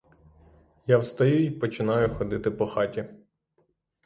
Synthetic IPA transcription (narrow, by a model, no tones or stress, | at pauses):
jawst̪ɐjuipɔt͡ʃɪnɑjʊxɔd̪ɪt̪ɪpɔxɑtʲi